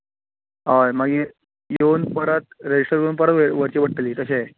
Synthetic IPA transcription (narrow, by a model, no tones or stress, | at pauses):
ajmaɡi | jonpəɾət̪̚ɾed͡ʑisʂʈəɾjonpəɾət̪ʋəʋəɾt͡ɕiːbəɽʈ̪əliːt̪əɕe